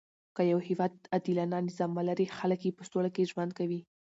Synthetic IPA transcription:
kəjawhɪwɑd̪ad̪ilɑnɑnɪzɑmːalaɾixaləkjepəstolakeʒwand̪kawi

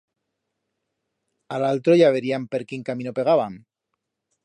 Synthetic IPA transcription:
alalt̪ɾoʝaβe̞ɾiampe̞ɾkiŋkamĩnope̞ɣ̞aβaŋ

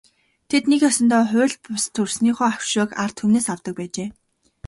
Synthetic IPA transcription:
t̪ʰet̪nekjɔsɞ̆nt̪ɔːχʊːɮpʊst̪ʰɵrsniːχɔːaw̥ʃʊːkart̪ʰumneːsawt̪ə̆k̚pæːt͡ɕeː

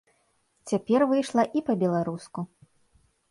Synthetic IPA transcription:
t͡sʲapʲɛrvɨjʂlˠɐʔipɐbʲɛlˠaɾusku

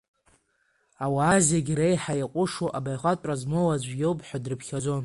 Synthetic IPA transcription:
awaːzaɡʲɾejħajaqʷʼʊʂoʔabajχʷatʷʼazmowad͡ʒʷjo̞wpʼħʷᶣadrɨpʰχʲad͡zo̞n

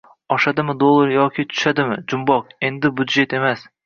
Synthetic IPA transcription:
ɒʃad̪ɪmɪd̪olˠːaɾjɒkʲʰɪt̪ʰʊ̥ʃad̪ɪmɪd͡ʒʊmbɒqe̞nd̪ɪbʊd̪ʒe̞t̪e̞mas

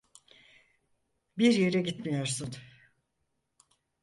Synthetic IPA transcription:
biɾje̞ɾɛɟit̪mijo̞ɾsun

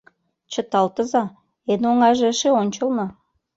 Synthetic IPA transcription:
t͡ɕə̆t̪ɑlt̪ə̆zɑ | enoŋɑʒeəʃeonʲt͡ɕəlnɤ̆

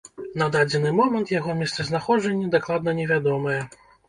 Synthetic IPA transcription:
nɐd̪ad͡zʲɛnɨmɔmɐnt̪jaɣɔmʲɛst̪sɛznaxɔd͡ʐɐnʲːɐd̪aklˠad̪̚nɐnʲɛvʲad̪ɔmɐjɛ

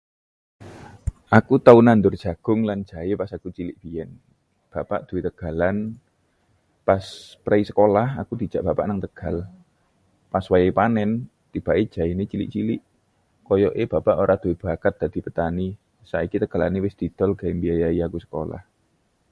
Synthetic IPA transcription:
ʔakut̪aunand̪ʊrd̥ʒ̥a̤ɡ̥ʊŋlan̥d͡ʒ̥a̤jepasakut͡ʃilɪʔb̥ijɛn | b̥a̤pa̰ʔd̪̥uwet̪əɡ̥a̤lan | paspɾaisəkolahakud̪̥i̤d͡ʒ̥aʔb̥a̤pa̰ʔnaŋt̪əɡ̥a̤l | paswajepanɛn | t̪ib̥a̤ʔe̥ʒ̥a̤inet͡ʃilɪ̰ʔt͡ʃilɪʔ | kɔjɔʔeb̥a̤paʔoɾad̪̥uweb̥akat̪̚d̥a̤d̪̥i̤pət̪ani | saikit̪əɡ̥a̤la̰newɪsd̪̥i̤d̪̥ɔ̤lɡ̥aɪmbiajaiakusə̥ko̰la̰h

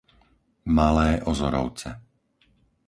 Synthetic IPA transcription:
malɛːʔɔzɔɾɔ̰ʊt͡sɛ

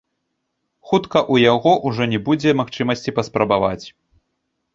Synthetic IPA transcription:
xut̪kɐʔujaɣɔʔuʐɔnʲɛbud͡zʲɛmaxt͡ʂɨmɐsʲt͡sʲipɐspɾɐbava̰t͡sʲ

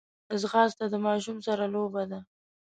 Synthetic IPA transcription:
ɪzɣɑzt̪ad̪əmɑʃumsaɾalobad̪a

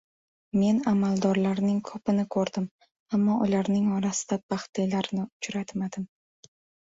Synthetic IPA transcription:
me̞namalˠd̪ɒɾlaɾnɪŋkʰɵpɪnɪkʰɵɾd̪ɪm | amːɒʔʊlaɾnɪŋɒɾasɪ̥d̪̥abaχt̪ʰelaɾnɪʊt͡ʃɾat̪mad̪ɪm

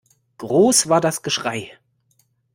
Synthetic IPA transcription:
ɡ̥ʁoːsv̥aːɐdasɡ̥əʃʁ̥aɪ

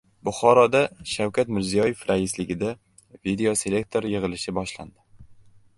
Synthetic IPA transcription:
bʊχɒɾɒd̪aʃawkʰʲat̪mɪɾzijɒje̞fɾaɪslɪɡʲɪd̪a | vid̪e̞o̞se̞lʲe̞k̚t̪ʰo̞ɾjɨʁɨlɪʃɪbɒʃla̰nd̪ɪ

